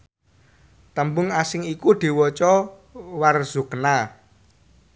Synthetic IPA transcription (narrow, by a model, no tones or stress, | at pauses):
t̪əmbʊŋasɪŋikud̪̥e̤wɔt͡ʃɔ | warz̥ṳkna